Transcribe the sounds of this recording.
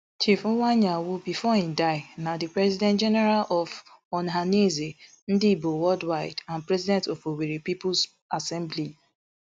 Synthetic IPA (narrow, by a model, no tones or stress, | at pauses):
t͡ʃif̩waɲawubifɔhĩmdaɪnadɪpɾɛzidɛ̃ntd͡ʒɛnɛɾalɔv | ɔnɦaneze | n̩dɪbowɔdwaɪdanpɾɛzidɛ̃ntɔfoweɾipipʊs | asɛ̃mbli